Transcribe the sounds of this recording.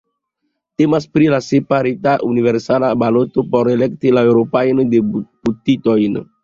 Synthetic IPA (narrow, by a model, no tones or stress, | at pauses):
te̞maspɾilasepaɾitaʔuniveɾsalabalotopo̞ɾele̞ktilaewɾopajndeb̥utito̞jn